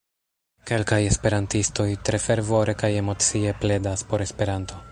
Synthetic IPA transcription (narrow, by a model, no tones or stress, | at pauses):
ke̞lkaje̞spe̞ɾantisto̞jtɾe̞fe̞ɾvo̞ɾe̞kaje̞mo̞t͡sie̞ple̞daspo̞ɾe̞spe̞ɾanto̞